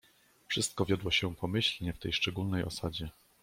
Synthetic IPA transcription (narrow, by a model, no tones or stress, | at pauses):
fʂɘst̪̚kɔvʲjɔd̪wɔɕɛpɔmɘɕlɲɛft̪ɛjʂt͡ʂɛɡulnɛjɔ̰sad͡ʑɛ